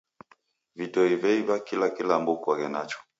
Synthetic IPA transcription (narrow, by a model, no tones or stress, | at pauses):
vitɔivɛivakilakilambukwaɣɛnat͡ʃɔ̥